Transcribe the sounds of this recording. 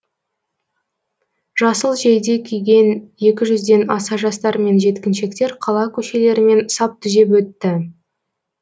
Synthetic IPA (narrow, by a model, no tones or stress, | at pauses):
ʒ̥ɑsəlˠʒejd̪e̞kʲʰijɡʲe̞nje̞kʲɪʒʏzd̪e̞nɑsɑʒɑst̪ɑɾme̞nʒe̞t̪kʲɪnʃe̞kt̪e̞ɾqʰɑlˠɑkʲʰɵʃe̞le̞ɾɪme̞nsɑp̚t̪ʰʏze̞pwɵt̪ːɪ